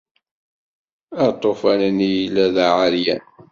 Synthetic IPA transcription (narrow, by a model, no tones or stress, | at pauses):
æt̪ˤːofænənijlːæðaʕaljæn